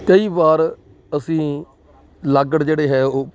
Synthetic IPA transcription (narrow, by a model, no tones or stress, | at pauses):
kəiːbaːɾ | əsĩː | ləɡəɽd͡ʒeːɽeːɦɛːoː